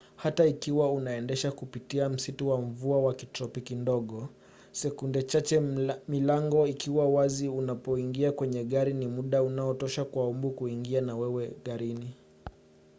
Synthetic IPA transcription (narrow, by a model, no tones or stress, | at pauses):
hataikiwaunaɛndɛʃakupitiam̩situwam̩vuawakitɾɔpikindɔɠɔ | sɛkundɛt͡ʃat͡ʃɛmilaŋɡɔikiwawaziunapɔiŋɡiakwɛɲɛɠaɾinimuɗaunaɔtɔʃakwaumbukuiŋɡianawɛwɛɠaɾini